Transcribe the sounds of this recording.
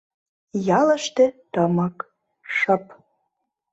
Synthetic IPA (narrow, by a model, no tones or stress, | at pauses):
jɑlə̆ʃt̪ĕt̪əmək | ʃɤp